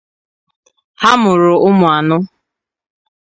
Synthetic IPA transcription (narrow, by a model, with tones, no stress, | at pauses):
ha˦mʊ˨ɾʊ˨ʊ˦mʊ˨a˨nʊ˦